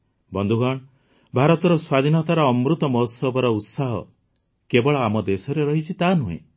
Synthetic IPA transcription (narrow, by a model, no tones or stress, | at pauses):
bɔnd̪ʱuɡaɳ̃ | bʱaɾɔt̪ɔɾɔswad̪ʱinɔt̪aɾɔɔmɾut̪ɔmɔɦɔt̪sɔbɔɾɔut̪saɦɔ̰ | kebɔɭɔamɔd̪esɔɾeɾɔɦit͡ʃʰit̪anuḛ̃